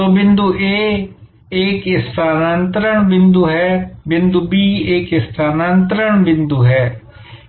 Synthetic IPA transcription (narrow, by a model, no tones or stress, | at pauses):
oːbɪ̃nd̪uːʔeː | ɪkɪst̪ʰaːnant̪ɾəɳbɪnd̪uːɦɛːbɪnd̪uːbiːɪkɪst̪ʰaːnaːnt̪ɾəɳbɪnd̪uːɦɛː